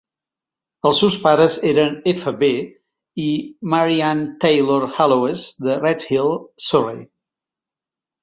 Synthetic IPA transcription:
əlˠsewspaɾəzeɾənefəβe | iməɾiant̪ejloɾhaloezd̪ərɛt̪hilˠsorej

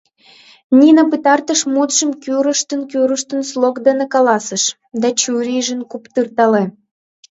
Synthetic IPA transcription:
nʲinəpɨt̪ɑrt̪əʃmut̪ʒəmkyɾəʃt̪ənkyɾəʃt̪ənslˠokd̪ə̆nekɑlɑsəʃ | d̪ɑt͡ɕuɾʲiʒənkupt̪ɯrt̪ɑle

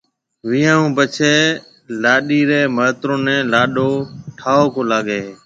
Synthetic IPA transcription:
ʋiːãːũːpət͡ʃʰeː | laːɗiːɾeːməːt̪ɾõːnɛ̃ːlaːɗoːʈʰaːoːkoːlaːɠeː

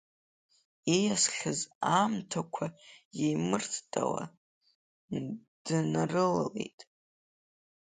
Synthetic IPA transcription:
ejasχʲazamtʰakʷʰajejmɨrtʰtʼa̰wa̰ | nd̥ɨnarɨlale̞̰jtʼ

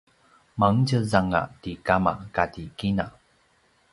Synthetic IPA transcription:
maŋcəzaŋa̰tikama̰katikina

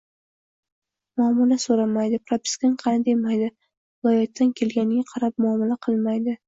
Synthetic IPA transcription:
mʊɒmʊlasoɾamajd̪ɪpʰɾop̪ɪ̥skʲɪnqʰɑnɪd̪ajmajd̪ɪ | vɪlˠɒjat̪ʰːankʲʰe̞lɡʲanɪɡʲaqʰɑɾap̚mʊɒmɪlaqʰɨlˠmajd̪ɪ

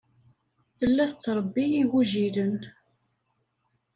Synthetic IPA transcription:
θəlːæθət͡sːɾˤəbːiːwuʒiɾən

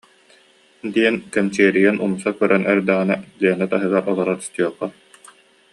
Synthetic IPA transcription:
d̪iɛnkɛmt͡ɕiɛɾijɛnʔumsakœɾʔɛnɛɾd̪aːinaliɛnɛt̪aɦɯɡaɾʔɔlˠɔɾaɾy̥st̪yɔχːɔ

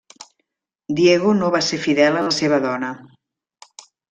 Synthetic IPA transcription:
d̪ieɣonoβaseɾfiðɛlələseβəðɔnə

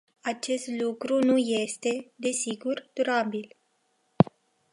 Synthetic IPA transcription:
at͡ʃe̞st̪lukɾunuje̞st̪e̞d̪e̞siɡurd̪̥uɾabil

